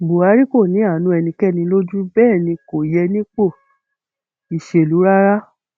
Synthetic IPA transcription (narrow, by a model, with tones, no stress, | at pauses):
ɡ͡bo˨a˨˦ɾi˦ko˦˨nĩ˨˦a˦˨˦nũ˧˦ɛ˧nĩ˧kɛ˦˨nĩ˧lo˦d͡ʒu˦bɛː˦˨nĩ˧ko˨jɛ˧nĩ˦k͡po˦˨ | i˨ʃe˨lu˨˦ɾa˦ɾa˦